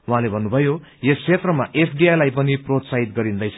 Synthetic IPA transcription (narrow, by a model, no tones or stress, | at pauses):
wɦãlebʱʌnːubʱʌjojesʰet̪rʌmaʔepʰɖiajlajpʌniprot̪saɦit̪ɡʌɾind̪ʌjt͡sʰ